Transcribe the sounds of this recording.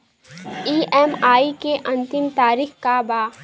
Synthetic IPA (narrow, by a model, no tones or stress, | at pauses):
iːɛːmaːikeʔɐ̃nt̪ɪmt̪aːɾiːxkabaː